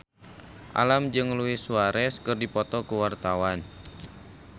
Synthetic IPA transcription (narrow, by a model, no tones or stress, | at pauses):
ʔa̰lamd͡ʒɨŋluɪsuaɾɛskɨrdipɔt̪ɔkuwart̪awan